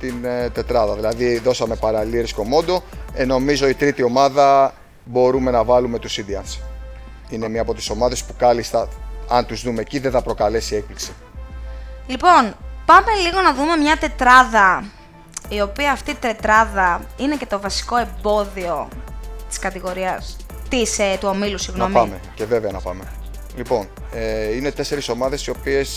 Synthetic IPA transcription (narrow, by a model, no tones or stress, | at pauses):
t̪int̪e̞t̪ɾɐðɐðilɐðiðo̞sɐme̞pɐɾɐliɾisk̪o̞mo̞nd̪o̞e̞no̞mizo̞it̪ɾit̪io̞mɐðɐ | bo̞ɾume̞nɐvɐlume̞t̪usind̪iɐns | ine̞miɐpo̞t̪i̥so̞mɐðe̞spukɐlist̪ɐɐnt̪uzðume̞ciðeθɐpɾo̞kɐle̞siek̚pliksi̥ | lipo̞npɐme̞liɣo̞nɐðume̞mɲɐt̪e̞t̪ɾɐðɐ | io̞piɐːft̪it̪e̞t̪ɾɐðɐine̞ce̞t̪o̞vɐsi̥ko̞e̞mbo̞ðio̞t̪i̥skɐt̪iɣo̞ɾiɐs | t̪iset̪uomilusiɣnomɐmece̞ve̞veɐnɐpɐ̰me | lipo̞n | eine̞t̪e̞se̞ɾiso̞mɐðe̞sio̞pie̞s